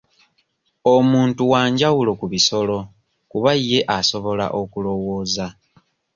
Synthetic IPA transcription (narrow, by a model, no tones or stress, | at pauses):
omuːntuwaːɲɟawulo̞kuβiso̞lo̞ | kuβajːe̞ʔaso̞βo̞la̰ʔo̞kulo̞woːza